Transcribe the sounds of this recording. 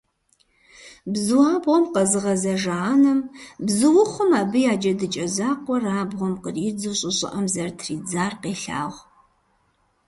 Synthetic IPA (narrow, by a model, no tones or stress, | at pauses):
bzɨwaːbʁʷɔmqɐzɨʁɐzɐʒaːnɐmbzɨwʊχʷʊmaːbɨjaːd͡ʒɐdɨt͡ʃʼɐzaːqʷɔraːbʁʷɔmqərid͡zɨɕʼɪɕʼɪ̰ʔɐmzɐrtʰriːd͡zaːrqeːɬa̰ːʁʷ